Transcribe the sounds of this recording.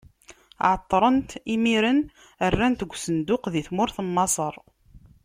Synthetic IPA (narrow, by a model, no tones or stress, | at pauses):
ʕət̪ˤːɾˤənt̪imiɾən | ərːænt̪əɡʷːsənd̪ʊqðiθmʊɾθəmːɑsˤəɾˤ